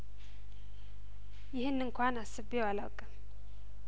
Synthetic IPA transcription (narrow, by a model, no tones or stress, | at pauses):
jihinːiŋkʰʷwanasəbewalakʼa